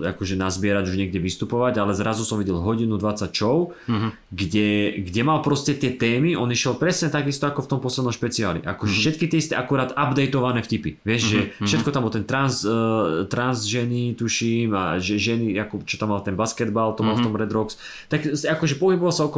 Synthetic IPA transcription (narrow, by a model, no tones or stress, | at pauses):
a̰kɔʒɛnazbɪɛɾaɟuʒɲɪɛɡɟɛʋist̪upɔʋaɟalɛzɾazusɔmʋiɟɛlɦɔɟinud̪ʋat͡sːac̚t͡ʃɔʊ | ɡɟɛɡɟɛmalpɾɔscɛt̪ɪɛt̪ɛːmiʔɔniʃɛlpɾɛsɲɛt̪aɡist̪ɔakɔft̪ɔmpɔslɛd̪nɔ̃mʃpɛt͡siaːlḭʔa̰kɔʒɛfʃɛt̪̚kit̪ɪɛist̪ɛʔakuɾaːd̪abd̪ɛjt̪ɔʋanɛːfcipiʋɪɛʃʒɛfʃɛt̪̚kɔt̪ambɔt̪ɛnt̪ɾanst̪ɾanzʒɛnit̪uʃima̰ʒɛʒɛniakɔt͡ʃɔt̪amːalt̪ɛnbaskɛd̪balt̪ɔmalft̪ɔmɾɛd̪ɾɔks | t̪aksakɔʒɛpɔɦibɔʋalsaɔkɔ